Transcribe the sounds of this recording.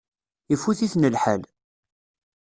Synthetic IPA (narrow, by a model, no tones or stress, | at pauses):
ifuθiθnəlħal